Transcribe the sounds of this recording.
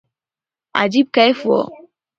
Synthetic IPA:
a̰d͡ʒib̚kaefuɔ̰

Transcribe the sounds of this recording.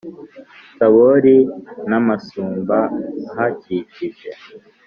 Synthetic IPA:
saβoɾinamasuːmbahaciciʒe

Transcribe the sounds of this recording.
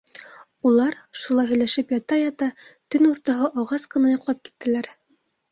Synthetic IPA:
ulˠɑɾʃulˠɑjɦɵ̆jlæʃɘpjɑt̪ɑjɑt̪ɑt̪ɵnuɾt̪ɑ̆ɦɤʔɑʁɑsqɤ̆nɑjɑ̆qlˠɑp̚ki̥t̪ːɘ̆læɾ

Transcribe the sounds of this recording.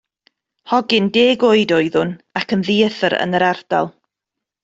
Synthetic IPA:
hɔɡɪndeːɡoɨdoɨðʊnakʰənðiəθəɾə̰nəɾard̥a̰lˠ

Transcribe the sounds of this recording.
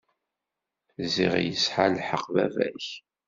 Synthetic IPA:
zḭʁjəsħalħəqːvæ̰væ̰ç

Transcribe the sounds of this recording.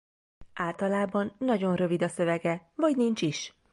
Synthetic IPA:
ʔaːlt̪ɒlaːbɒnːɒɟo̞nrø̞vid̪ɒsø̞vɛɡɛvɒɟnint͡ʃiʃ

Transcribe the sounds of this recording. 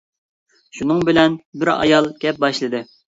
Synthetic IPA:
ʃunɨŋbɪlɛnbɪɾɑ̰jɑlˠɡʲɛp̚bɑʃlˠɨd̪ɨ

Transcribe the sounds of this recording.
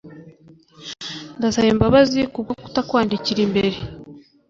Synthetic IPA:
ndasaβembaβazikubɡaku̥takwaːndiciɾimbe̞ɾe

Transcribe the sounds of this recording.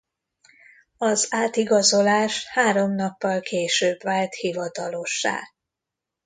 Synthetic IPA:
ɒzaːt̪iɡɒzo̞laːʃhaːɾo̞mnɒpːɒlkʰeːʃøːbʋaːlt̪hivɒt̪ɒlo̞ʃːa̰ː

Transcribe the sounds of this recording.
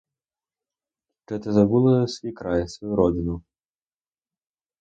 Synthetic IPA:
kɛt̪ɐzabulˠɐsʲvʲikɾajsvajuɾɔd͡zʲinu

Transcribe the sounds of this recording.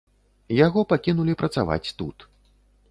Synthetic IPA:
jaɣɔpakʲinulʲipɾɐt̪sa̰va̰t͡sʲt̪ṵt̪

